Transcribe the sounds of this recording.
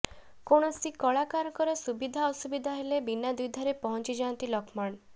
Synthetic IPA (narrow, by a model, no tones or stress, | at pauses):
koɽ̃ɔsikɔɭakaɾkɔɾesubid̪ʱaɔsubid̪ʱaɦelebinad̪ud̪ʱaɾepɔɦɔnt͡ʃid͡ʒant̪ilɔkʰmaɳ